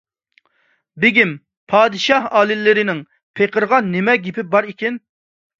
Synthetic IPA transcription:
bɪɡʲim | pʰɑːd̪ɨʃɑɦɑːlɪlːɪɾɪnɪŋ | pʰeqʰəɾʁɑnːɪmɛɡʲipʰɪbɑɾikʲɛn

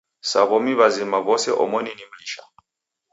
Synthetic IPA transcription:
saβɔmiβazimaβɔsɛʔɔ̰mɔninim̩liʃa̰

